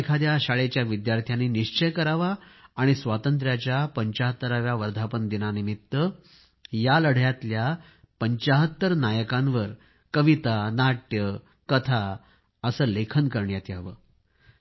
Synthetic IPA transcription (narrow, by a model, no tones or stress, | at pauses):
kʰad̪jaɕaɭet͡ɕjaʋid̪jaɾt̪ʰjaniniʂt͡ɕəjkəɾaʋaːɽ̃isʋat̪ənt̪ɾjat͡ɕjapəɲt͡ɕaɦət̪ːəɾaʋjaʋəɾd̪ʱapənd̪inanimit̪ːə | jaləɽ̤jat̪lja | pəɲt͡ɕaɦət̪ːəɾnajəkãnʋəɾ | kəʋit̪anaʈjə | kət̪ʰa | əsəːlekʰənkəɾɳjat̪jaʋə